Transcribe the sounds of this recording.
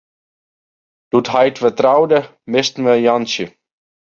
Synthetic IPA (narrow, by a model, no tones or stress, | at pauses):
d̥uthajtfətrawdə | mɪstn̩ʋəjɑnsə